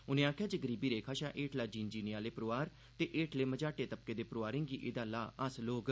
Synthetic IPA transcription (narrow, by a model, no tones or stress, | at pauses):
ʊnẽːaːkʰjaːd͡ʒəɡəɾiːbiːɾeːkʰaːʃãːʔeːʈʰlaːd͡ʒiːnd͡ʒiːnɪjaːleːpəɾoːaːɾ | t̪eːʔeːʈʰleːməd͡ʒaːʈeːt̪əp̚keːd̪eːpəɾoːaːɾẽːŋɡiːʔeːd̪aːlaːəsloːɡ